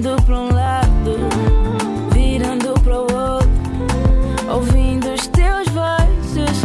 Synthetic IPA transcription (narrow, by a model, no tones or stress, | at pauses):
d̪ʊpɾũlad̪ʊ | viɾɐ̃nd̪ʊpɾɐuowt̪ɾʊ | owvĩnd̪ʊːʃt̪ewzvɔsʊʃ